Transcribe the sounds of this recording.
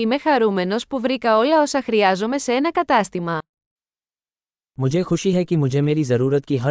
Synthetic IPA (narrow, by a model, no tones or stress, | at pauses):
ime̞xɐɾume̞no̞spuvɾikɐo̞lɐo̞sɐxɾiɐzome̞see̞nɐkɐt̪ɐst̪imɐ | mud͡ʑʱexuʃiɦɛkimud͡ʑʱemeːɾizɐɾuːɾɐt̪̚kiɦɐ